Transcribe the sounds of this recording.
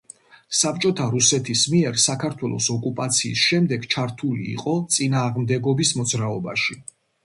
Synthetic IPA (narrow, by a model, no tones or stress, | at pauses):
sap̚t͡ʃʼɔt̪ʰaɾusɛt̪ʰismiɛɾsakʰaɾt̪ʰwɛlˠɔ̰sɔkʼupʼat̪sʰḭːsʃɛmd̪ɛɡt͡ʃʰaɾt̪ʰulḭːqʼɔt̪sʼinaːʁmd̪ɛɡɔbismɔd̪zɾaɔba̰ʃi